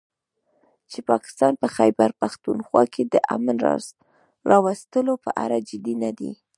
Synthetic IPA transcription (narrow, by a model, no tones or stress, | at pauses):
t͡ʃepɑkɪ̥st̪ɑnpəxajbaɾpaxt̪unxwɑ̰kʰed̪əʔa̰manɾ̰ | ɾɑwast̪əlopə̰ʔa̰ɾad͡ʒɪd̪inad̪ḭ